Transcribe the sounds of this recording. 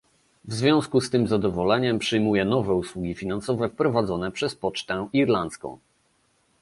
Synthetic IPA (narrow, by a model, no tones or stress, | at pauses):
vzvʲjɔ̃w̃skust̪ɘmzad̪ɔvɔlɛɲɛmpʂɘjmujɛnɔvɛuswuɡʲifʲinansɔvɛfpɾɔvad̪zɔnɛpʂɛspɔt͡ʂt̪ɛ̃iɾlant̪skɔ̰̃w̃